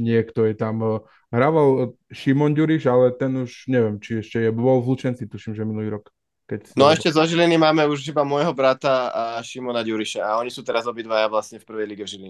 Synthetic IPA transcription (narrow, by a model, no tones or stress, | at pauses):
ɲɪɛkt̪ɔjɛt̪am | ɦɾaːʋalʃimɔnɟuɾiʃalɛt̪ɛnuʃɲɛʋɪɛmt͡ʃiɛʃcɛjɛbɔlzlut͡ʃɛnt͡sit̪uʃimʒɛminuliːɾɔk | kɛcsnɔɛʃcɛzɔʒilinimaːmɛuʃibamʊɔjɦɔbɾat̪aaʃimɔnaɟuɾiʃaaɔɲisuːt̪ɛɾazɔbid̪ʋajaʋlasɲɛfpr̩ʋɛjliɡɛvʒiliɲɛ